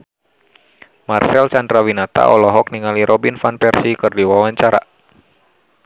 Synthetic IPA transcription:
marsɛlt͡ʃandɾawinat̪a̰ʔɔlɔɦɔk̚niŋaliɾʔɔbinfanpɛrsikɨrdiwawaɲt͡ʃaɾa̰

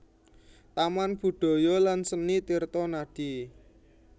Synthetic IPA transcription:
t̪amanb̥ṳɖ̪̥ɔ̤jɔlansənit̪irt̪ɔnaɖ̥i

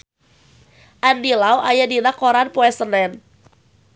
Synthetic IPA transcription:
ʔandilawajadinakɔɾanpɔɛsənɛn

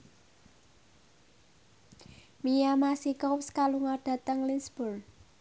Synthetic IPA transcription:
mijamasikɔwskaluŋaɖ̥a̤t̪əŋlinsb̥ʊr

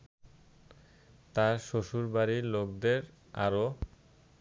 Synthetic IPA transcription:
t̪aɾʃoʃuɾbaɾilokd̪eɾ | a̰ɾo

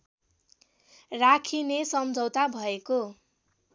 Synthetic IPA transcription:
rakʰinesʌmd͡zʱʌwt̪abʱʌeko

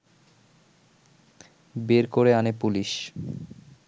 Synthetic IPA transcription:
beɾkoɾeanepuliʃ

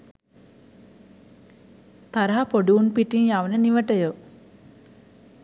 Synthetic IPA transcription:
t̪aɾəɦapoɖuunpiʈinjaʋənəniʋəʈəjo

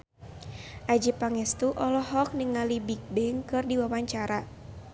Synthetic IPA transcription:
ʔad͡ʒipaŋɛst̪uʔɔlɔhɔk̚niŋalibik̚bɛŋkɨrdiwawaɲt͡ʃaɾa

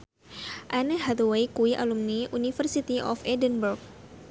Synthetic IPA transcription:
ʔanəɦad̪wejkuiʔa̰lumniunifərsit̪iʔɔfɛdənburk̚

